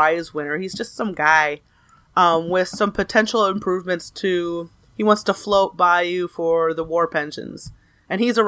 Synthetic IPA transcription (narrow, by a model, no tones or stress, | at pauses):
aɪɨzwɪ̃nə˞izd͡ʒʌstsʌ̃mɡaɪ | ʌ̃mwɪð̥sʌ̃mpʰɨtʰɛ̃nʃl̩ˠə̃mpʰɹ̥ʉvmɨ̃ntstʰɨ | hiwɑ̃ntstʰəfloʊt̚b̥aɪjɨfə˞ðəwɔɹpʰɛ̃nʃɨ̰̃nz̥ | ɨ̃nizə